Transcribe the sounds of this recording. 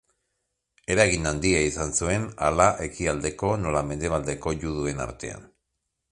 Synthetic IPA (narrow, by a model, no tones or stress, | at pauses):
e̞ɾaɣinand̪iaisansue̞na̰laʔe̞kiald̪e̞ko̞no̞lame̞nd̪e̞β̞ald̪e̞ko̞ʎuð̞ue̞na̰ɾt̪e̞̰a̰n